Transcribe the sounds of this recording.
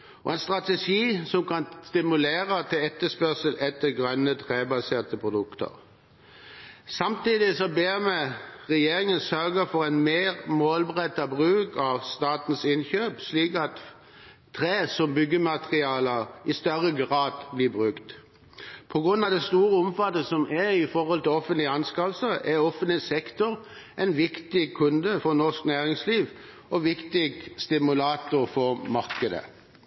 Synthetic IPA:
ɔ̰ɛnst̪ʁɑt̪ɛʂiːsɔmkɑnst̪ɪmʉleːɾət̪ʰɪlɛt̪ːəspœʁsəlɛt̪ːəɡʁœnːət̪ʰʁeːbɑseːʁt̪əpʰʁʊd̪ʉkt̪ə̰ʁ | sɑmt̪iːd̪ɪsɔbeːʁmɛʁɛjeːɾɪŋənsœɾɡəfɔɾɛɪnmeːʁmoːlbəʁɛt̪ːɑbʁʉːkɑʋst̪ɑːt̪nsɪnçøːpsliːkɑt̪ | t̪ʰːʁeːsɔmbʏɡːəmɑt̪ʁɪɑːləɪst̪œʁəɡʁɑːd̪bliːbʁʉkt̪ | pʰɔɡʁʉnːɑʋd̪ɛst̪uːɾəɔmfɑt̪əsɔmɛɪfɔʁhɔlt̪ɪlɔfənt̪lɪəɑnskɑʋsəʔɛʁɔfənt̪lɪsɛkt̪ɔɾ | ʔɛɪnʋɪkt̪ɪkʰʉnd̪əfɔnɔʁsknæːʁɪŋsliːʋ | ɔʋɪkt̪ɪɡst̪ɪmʉlɑːt̪ʊɾfɔʁmɑɾkəd̪ə̰

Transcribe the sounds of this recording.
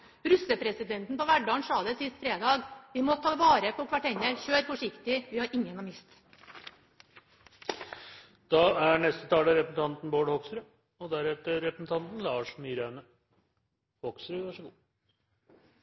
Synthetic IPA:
ɾʉsəpʰɾɛsɪd̪ɛnt̪n̩pɔʋæɖɑːnʂɑːd̪əsɪst̪fɾeːd̪ɑːɡʋɪmɔt̪ʰɑːʋɑːɾəpʰɔkʰʋɑʈɛnəɾçøːɾfɔʂɪkt̪ɪʋɪhɑɾʔɪŋːənɑmɪst̪ | d̪̥ɑːæɳɛst̪ət̪ʰɑːləɾɛpɾəsn̩t̪ɑnt̪n̩boːɖhɔksɾʉ | ɔd̪æɾɛt̪əɾɛpɾəsn̩t̪ʰɑnt̪n̩lɑːʂmiːɾænə | hɔksɾʋɑʂəɡuː

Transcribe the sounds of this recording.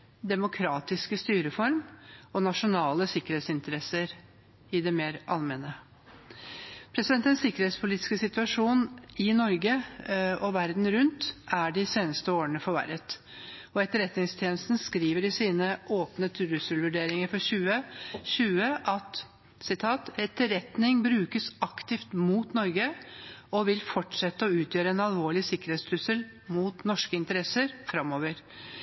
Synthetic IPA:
d̪ɛmʊkʰɾɑːt̪ɪskəst̪yːɾəfɔɾmɔnɑʂʊnɑːləsɪkəɾheːt̪sɪnt̪əɾɛsəɾ | ɪd̪ɛmeːɾʔɑlmɛnə | pʰɾɛsɪd̪ɛnt̪ɛnsɪkːəɾheːt̪spʰʊliːt̪ɪ̥skəsɪt̪ʉɑʂuːnɪnɔɾɡəɔʋæɾd̪n̩ɾʉnt̪ʔæɖɪseːnəst̪əoːəɳəfɔɾʋæ̰ɾət̪ | ɔɛt̪ːəɾɛt̪nɪŋst̪ʰjeːnəst̪n̩skɾiːʋəɖɪsiːnəʔoːpnət̪ʰɾʉsəlʋʉɖeːɾɪŋəɾfɔɕʉːəɕʉːəʔɑt̪ | sɪt̪ʰɑːt̪ɛt̪ːəɾɛt̪nɪŋbɾʉːkəsɑkt̪ɪft̪muːt̪nɔɾɡəɔʋɪlfɔʈʂɛt̪ːəɔʉːt̪jøːɾəɛnɑlʋoːɭɪsɪkːəɾeːt̪st̪ʰʉsəl | muːt̪nɔʂkəɪnt̪əɾɛsəɾfɾɑmːoːʋəɾ

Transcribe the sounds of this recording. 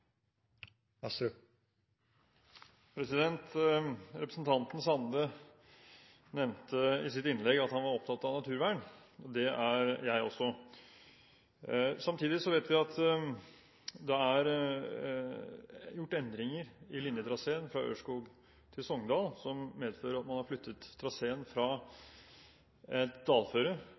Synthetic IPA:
sɾ | pʰɾɛsɪd̪ɛnt̪ɾɛpɾəsn̩t̪ʰɑnt̪n̩sɑnd̪ə | nɛʋnt̪əɪsɪt̪ɪnlɛɡɑt̪hɑnʋɑɾɔp̚t̪ʰɑt̪ːɑnɑt̪ʰʉːɾʋæːəɳ | ɔd̪ɛʔæɾjæɪɔ̰sːɔ | sɑmt̪ʰiːd̪ɪsɔʋeɪt̪ʋɪɑt̪ | d̪ɛæɾ | jʊʈːɛnd̪ɾɪŋəɾɪlɪnjət̪ʰɾɑseːənfɾɑø̰ːʂkuːɡ | t̪ʰɪlsɔŋd̪ɑːlsɔmmeːd̪føːɾəɾɑt̪mɑnhɑɾflʏt̪ʰːət̪ʰːɾɑseːənfɾɑ | ɛt̪d̪ɑːlføːɾə

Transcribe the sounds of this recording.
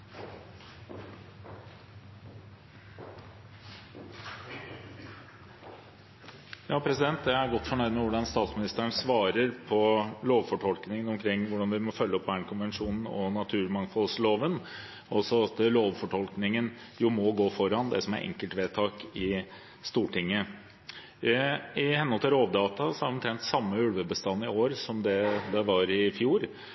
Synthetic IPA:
jɑːpʰɾɛsɪd̪ɛnt̪d̪ææɾɡɔt̪ːfɔɳœʏnəʋʊɖɑnst̪ɑːt̪smɪnɪst̪əɳsʋɑːɾəɾpʰɔloːʋfɔʈʰɔlknɪŋənɔmkʰɾɪŋːʋʊɖɑnʋɪmɔfœlːəɔpbæːɳkʰʊnʋɛnʂuːnn̩ɔnɑt̪ʰʉːɾmɑŋfɔlsloːʋən | ɔsɔɑt̪loːʋfɔʈʰɔlknɪŋən | jʊmɔɡoːfɔɾɑnd̪ɛ̰sɔmæ̰ɾʔɛ̰ŋkəlt̪ʋeːt̪ʰɑːkɪ | st̪uːʈɪŋːə | ɪhɛnhɔlt̪əɾoːʋd̪ɑːt̪ɑsɔæɾɔmt̪ʰɾɛnt̪sɑmːəʉlʋəbəst̪ɑnːɪoːɾsɔmd̪ɛd̪ɑʋɑɾɪfjuːɾ

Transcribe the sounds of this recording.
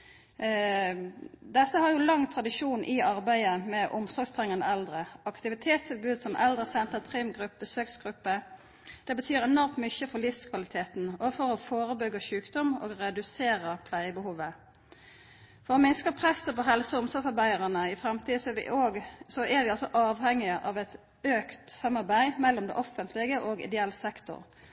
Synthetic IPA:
d̪ɛt̪ːəhɑʁjʊlɑŋt̪ʰʁɑd̪ɪʃuːnʔɪɑʁbæɪəmɛʔʊmsɔɾɡst̪ʰʁɛŋːɑnə̰ɛld̪ʁəɑkt̪ɪʋɪt̪ʰeːt̪st̪ʰɪlbʉːd̪sɔmʔɛ̰ld̪ʁəsɛnt̪ət̪ʰʁɪmɡʁʉpːəsøːksɡ̥ʁʉpːə | d̪̥ɛbət̪ʰyːɾɛnɔɾmt̪mʏçəfɔlɪfskʰʋɑlɪt̪ʰeːt̪nɔfɔɾɔfoːɾəbʏɡəʃʉːkd̪ɔmo̰ːɡʁɛd̪ʉseːɾəpʰlæɪəbəhuːʋə | fɔʁoːmɪnskəpʰʁɛsəpɔɦɛlsəʊmsɔsɑʁbæɪəʁənəɪfʁɛmt̪ʰiːsɔɛʋɪ̰ʔoːɡsɔɛʋɪɑlsɔʔɑːʋhɛŋːɪəʔɑʋɛt̪ | øːkt̪sɑmːɑʁbæɪmɛlːɔmd̪ɛ̰ʔɔfənt̪lɪɡəʔoːɡɪ̰d̪ɛɛlsɛkt̪ʊ̰ʁ

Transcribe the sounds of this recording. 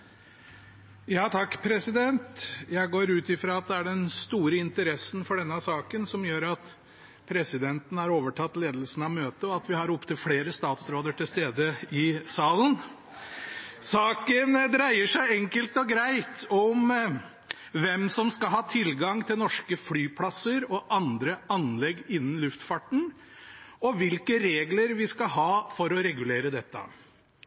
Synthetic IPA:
jɑːt̪ʰɑkːpʰɾɛsɪd̪ɛnt̪jæɪɡoːɾʉːt̪ɪfɾɑːɑt̪̚d̪ɛæɖɛnst̪uːɾəɪnt̪əɾɛsnfɔɖɛnːəsɑːkənsɔmjøːɾɑt̪ | pʰɾɛsɪd̪ɛnt̪n̩æɾoːʋəʈʰɑt̪ːleːd̪əlsn̩ɑmøːt̪əɔɑt̪ʋɪhɑɾʊpt̪ʰəfleːɾəst̪ɑːt̪sɾoːd̪əʈʰɪlst̪eːd̪əɪsɑːlən | sɑːkənd̪ɾæɪəʂæɪɛŋkəlt̪ɔɡɾæɪt̪ɔm | ʋɛmsɔmskɑlɦɑːt̪ʰɪlɡɑŋt̪ʰɪlnɔʂkəflyːpʰlɑsəɾɔʔɑnd̪ɾəɑnlɛɡːɪnːn̩lʉft̪fɑʈːɳ̩ | ɔʋɪlkəɾeːɡləɾʋɪskɑɦɑːfɔɾɔɾɛɡʉleːɾəd̪ɛt̪ːə̰

